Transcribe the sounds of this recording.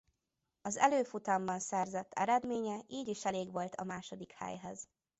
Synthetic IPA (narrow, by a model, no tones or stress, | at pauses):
ɒzɛløːfut̪ɒmbɒnsɛrzɛt̪ʰːɛ̰ɾɛd̪meːɲɛiːɟiʃɛleːɡʋo̞lt̪ʰɒmaːʃod̪ikhɛ̰jɦɛz̥